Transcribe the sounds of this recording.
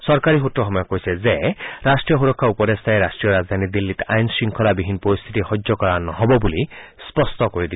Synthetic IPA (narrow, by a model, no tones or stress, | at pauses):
sɔɾkaɾiɦutɾɔɦɔmɔjɔkoisɛzeɾasʈɹijɔɦuɾɔkʰːaupɔd̪est̪ʰaeɾasʈɾijɔɾazd̪ʱanid̪ilːit̪ajnsiŋkʰɔlabiɦinpɾɔɾist̪ʰit̪ixɔd͡ʒɔkɔɾanɔɦɔbɔbulispɔst̪ɔkoɾid̪i